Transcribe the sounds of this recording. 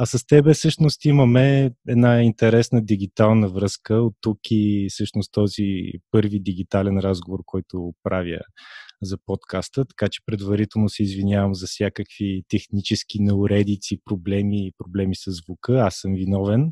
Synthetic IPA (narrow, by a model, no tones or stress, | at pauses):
ɐsɐst̪ɛbɛsɤʃnost̪iməmɛɛd̪naint̪ɛɾɛsnəd̪iɡ̟it̪alˠnəvɾɤskəot̪ːukisɤʃnost̪ɔzipɤɾvid̪iɡ̟it̪alɛnɾazɡovoɾkɔjt̪opɾʔavʲjə̰zɐpɔt̪kast̪ət̪ɐ̥kat͡ʃɛ̥pɾɛd̪vɐɾit̪ɛlˠnosɛizvinʲjavəmzɐfsʲjakəkvit̪ɛxnit͡ʃɛsk̟inɛʊɾɛd̪it̪sipɾoblɛmipɾoblɛmisɐzvukɤasːɤmvinɔvɛn